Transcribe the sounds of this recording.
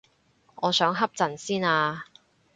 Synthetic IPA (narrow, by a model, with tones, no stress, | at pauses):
ŋɔː˨˧sœː˨˥ŋɦɐ˥p̚t͡sɐ˨˩nsiː˥naː˧